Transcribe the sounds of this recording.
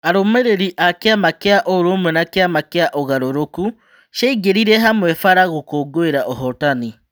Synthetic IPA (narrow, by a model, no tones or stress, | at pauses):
aɾomeɾeɾiʔakeamakeaʔoɾomwɛnakeamakeaʔoɣaɾoɾoku | ʃaiɡeɾiɾɛɦamwɛfaɾaɣokoːɡoeɾaʔɔɦɔtani